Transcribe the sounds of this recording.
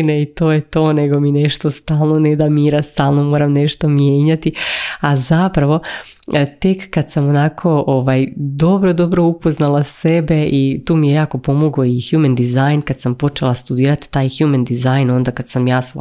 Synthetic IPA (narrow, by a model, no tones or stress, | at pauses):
neit̪o̞ːjet̪o̞ːneɡo̞mine̞ʃt̪o̞st̪aːlˠnoned̪amiːɾast̪aːlˠno̞mo̞ːɾamne̞ʃt̪o̞mjeːɲat̪iazapɾaʋo̞ | t̪e̞kːad̪samo̞nakʰo̞ʔoʋajd̪o̞bɾo̞d̪o̞bɾo̞upo̞znalˠase̞be̞ʔit̪uːmijejaːko̞po̞mo̞ɡo̞ixjumend̪izajnkad̪sampo̞t͡ʃe̞lˠast̪ud̪iːɾat̪t̪aːjxjumend̪izajno̞nd̪akad̪samjaːs